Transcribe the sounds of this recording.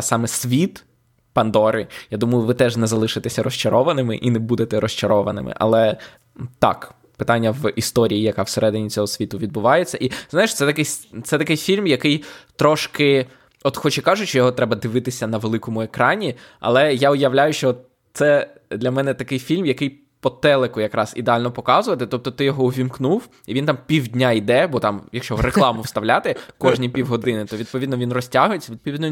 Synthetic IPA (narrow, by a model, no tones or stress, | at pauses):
sɑmɛsʲʋʲit̪ | pɐnd̪ɔɾɪjad̪umɐjʊʋɪt̪ɛʒnɛzɐlˠɪʃɪt̪ɛsʲɐɾɔst͡ʃɐɾɔʋɐnɪmɪ̰ʔinɛbud̪et̪ɛɾɔst͡ʃɐɾɔʋɐ̰nɪ̰mɪ̰ʔɐ̰lˠɛ | t̪ɑ̰k | pɪt̪ɑnʲːɐʋist̪ɔɾʲijijɐkɑwseɾʔɛd̪ɪnʲit͡sʲɔɦɔsʲʋʲit̪ʊʋʲid̪̚bʊʋɑjet͡sʲːɐʔiznɑjeʃt̪sɛt̪ɐkɪjt̪sɛt̪ɐkɪjfʲilʲmjɐkɪjt̪ɾɔʃkɪ | ɔt̪xɔt͡ʃɛkɑʒʊt͡ʃʲt͡ʃɔjɔɦɔt̪ɾɛbɐd̪ɪʋɪt̪ɪsʲɐnɐʋelˠɪkɔmʊekɾɑnʲiɐ̰lˠɛjaʊjɐʋlʲajʊʃt͡ʃɔ | t̪sɛ | d̪lʲɐmɛnɛt̪ɐkɪjfʲilʲmjɐkɪj | pɔt̪ɛlˠekʊjɐkɾɑzḭd̪ealʲnɔpɔkɑzʊʋɐt̪ɪt̪ɔp̚t̪ɔt̪ɪjɔɦɔʊʋʲimknuw | iʋʲint̪ɑmpʲiwdʲnʲaid̪ɛbɔt̪ɑmjɐkʃt͡ʃɔreklˠɑmʊwst̪ɐʋlʲat̪ɪkɔʒnʲijpʲiwɦɔd̪ɪnɪt̪ɔʋʲid̪̚pɔʋʲid̪nɔʋʲinrɔsʲtʲaɦʊjet͡sʲːɐʋʲid̪̚pɔʋʲid̪n